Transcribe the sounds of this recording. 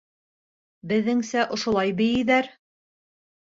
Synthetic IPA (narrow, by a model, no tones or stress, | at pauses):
bɘ̆ðːɘŋsæʔŏʃŏlˠɑjbɘ̆jɘ̆ðæɾ